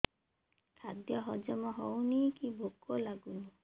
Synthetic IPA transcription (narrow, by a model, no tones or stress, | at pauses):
kʰad̪jɔɦɔd͡ʒɔmɔɦɔwnikibʱokːɔlaɡuni